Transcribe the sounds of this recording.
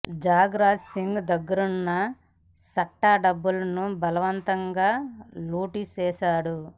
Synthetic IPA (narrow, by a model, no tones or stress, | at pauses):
d͡ʒaːɡɾaːd͡ʒsiŋɡd̪ɐɡːɐɾunːɐ | sɐʈːaːɖɐbːulɐnubɐlɐʋɐnt̪ɐŋɡaːnuːʈit͡ʃɛːʃaːɽu